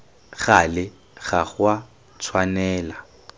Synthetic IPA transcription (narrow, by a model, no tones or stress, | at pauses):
ɣalɪ | ɣaχwa | t͡sʰwanɛːla